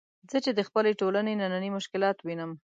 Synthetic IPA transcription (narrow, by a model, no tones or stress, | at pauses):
zət͡ʃed̪əxpəleʈolanenananimʊʃkɪlɑt̪winəm